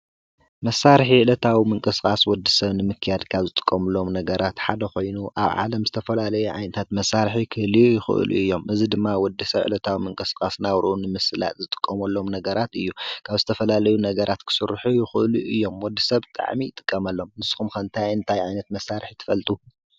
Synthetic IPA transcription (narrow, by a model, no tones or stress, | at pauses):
mɐsːaɾħiʕɨlɐt̪ʰawimɨŋkʼɨskʼaswɔd̪ːisɐβnɨmɨkʰːɨjad̪kʰaβzɨt̪ʼɨ̥kʼːɐmɨlːo̞mnɐɡɐɾat̪ħad̪ɐxo̞jnuʔa̰βʕa̰lɐmzɨt̪ʰɐfɐlalɐjuʕa̰jnɐt̪ʰat̪mɐsːaɾħikʰɨhlijɪxɨ̰ʔɨ̰lʔṵʔɨjːo̞mʔɨzid̪ɨmːawɔd̪ːisɐβʕɨ̰lɐt̪ʰawimɨŋkʼɨskʼasnaβɾʔunɨmɨsɨla̰t̪zɨt̪ʼɨ̥kʼːɐmɐlːo̞mnɐɡɐɾat̪ɨjːukʰaβzɨt̪ʰɐfɐlalɐjunɐɡɐɾʔat̪kʰɨ̥sɨɾħujɪxɨʔluʔɨjːo̞mwɔd̪ːisɐβt̪ʼa̰ʕmit̪ʼɨ̥kʼːɐmɐlːo̞mnɨsʼxumxɐnt̪ʰajɨnt̪ʰajʕajnɐt̪mɐsːaɾħit̪ʰɨ̥fɐlt̪ʼu